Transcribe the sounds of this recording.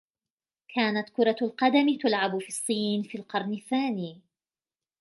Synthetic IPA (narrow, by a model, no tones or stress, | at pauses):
kʰaːnat̪kʊɾˤɑlqɑd̪amɪt̪ʊlʕabʊfiːɑsˤːiːnfiːlqɑɾˤnɪθaːniː